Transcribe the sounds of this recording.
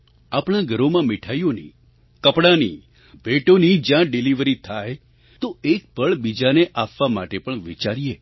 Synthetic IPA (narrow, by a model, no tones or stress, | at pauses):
apɳaɡʱəɾomãmɪʈʰajonḭ | kəpɽãnḭ | bʱeʈonid͡ʒjãɖɪliʋɾit̪ʰaj | t̪oek̚bəɭbid͡ʒaneʔapʋamaʈepəɳʋḭt͡ʃaɾije